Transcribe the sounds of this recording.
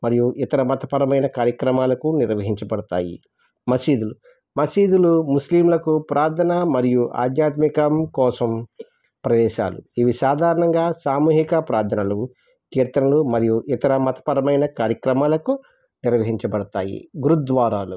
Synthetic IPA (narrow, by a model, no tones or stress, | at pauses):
mɐɾijuʔit̪ɐɾɐmɐt̪ɐpɐɾɐmɐjnɐkaːɾjɐkɾɐmaːlɐkuniɾʋɐɦiɲt͡ʃɐbɐɽɐt̪a̰ːjḭ | mɐsiːd̪ulu | mɐsiːd̪ulumusliːmlɐkupɾaːd̪ʰʱɐnɐmɐɾijuʔa̰ːd̪ɲaːt̪mikɐmkɔːsɐm | pɾɐd̪ɛːʃa̰ːlṵiʋisaːd̪ʱaːɾɐɳɐŋɡaːsaːmuːɦikɐpɾaːd̪ʰʱɐnɐlu | kɛːɾt̪ɐnɐlumɐɾijuʔit̪ɐɾɐmɐt̪ɐ̥pɐɾɐmɐjnɐkaːɾjɐkɾɐmaːlɐku | niɾʋɐɦiɲt͡ʃɐbɐɽɐt̪a̰ːjḭɡuɾud̪ʋaːɾaːlṵ